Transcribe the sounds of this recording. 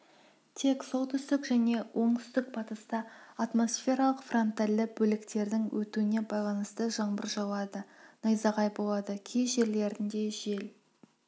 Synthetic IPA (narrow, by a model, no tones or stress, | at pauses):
t̪ʰe̞kso̞lˠt̪ʰʏst̪ɪkʒæne̞wʔo̞ɴt̪ʰʏ̥st̪ɪk̚pʰɑt̪əst̪ɑat̪mo̞sfʲe̞ɾɑlˠəqfront̪alʲːɪbɵlɪkt̪e̞ɾd̪ɪŋwɵt̪uɪne̞bɑjlˠɑnəst̪əʒɑɴbəɾʒɑwɑd̪ənɑjzɑʁɑjbo̞lˠɑd̪əkʲʰejʒe̞ɾle̞ɾɪnd̪e̞ʒe̞l